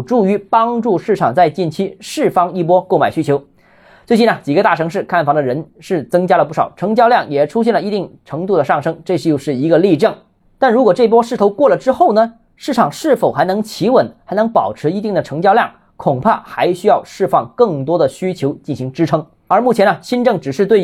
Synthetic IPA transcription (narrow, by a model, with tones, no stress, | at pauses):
ʈ͡ʂu˥˩y˧˥pɑ˥ŋʈ͡ʂu˥˧ʂɻ̩˥˩ʈ͡ʂʰɑ˨˩ŋt͡sa˥˧ɪt͡ɕi˥˩nt͡ɕʰi˥ʂɻ̩˥˩fɑ˥ŋi˥˩p̬wɔ˥ko˥˩ʊma˨˩ɪɕy˥t͡ɕʰjo˧˥ʊ | t͡swt͡ɕi˥˩nə˩t͡ɕi˨˩ɡə˦t̪a˥˩ʈ͡ʂʰɤ˧˥ŋʂɻ̩˥˧kʰa˥˩nfɑ˧˥ŋd̪ə˧ɻə˧˥nʂɻ̩˥˩t͡sɤ˥ŋt͡ɕja˥lə˧p̬u˥˩ʂɑ˨˩ʊʈ͡ʂʰɤ˧˥ŋt͡ɕjɑ˥˧ʊljɑ˥˩ŋjɛ˨˩ʈ͡ʂʰu˥ɕ̬jɛ˥˩nlə˩i˧˥t̪i˥˩ŋʈ͡ʂʰɤ˧˥ŋt̪u˥˩d̪ə˩ʂɑ˥˩ŋʂɤ˥ŋʈ͡ʂɤ˥˧ʂjo˥˧ʊʂɻ̩˥˩i˧˥ɡə˧li˥˧ʈ͡ʂɤ˥˩ŋ | t̪a˥˩nɻu˧˥kwɔ˨˩ʈ͡ʂɤ˥˩i˩p̬wɔ˥ʂɻ̩˥˩tʰo˧˥ʊkwɔ˥˩lə˩ʈ͡ʂɻ̩˥xo˥˩ʊnə˩ | ʂɻ̩˥˩ʈ͡ʂʰɑ˨˩ŋʂɻ̩˥˩fo˨˩ʊxa˧˥ɪnɤ˧˥ŋt͡ɕʰi˧˥wə˧˩˦nxa˧˥ɪnɤ˧˥ŋpɑ˨˩ʊʈ͡ʂʰɻ̩˧˥i˧˥t̪̬i˥˩ŋd̪ə˩ʈ͡ʂʰɤ˧˥ŋt͡ɕjɑ˥˧ʊljɑ˥˩ŋ | kʰʊ˨˩ŋpʰa˥˩xa˧˥ɪɕy˥jɑ˥˧ʊʂɻ̩˥˧fɑ˥˩ŋkɤ˥˩ŋt̪wɔ˥d̪ə˨ɕy˥t͡ɕʰjo˧˥ʊt͡ɕi˥˩nɕi˧˥ŋʈ͡ʂɻ̩˥ʈ͡ʂʰɤ˥ŋ | ə˞˧˥mu˥˩t͡ɕʰjɛ˧˥nə˧ɕi˥nʈ͡ʂɤ˥˩ŋʈ͡ʂɻ̩˨˩ʂɻ̩˥˧t̪we˥˩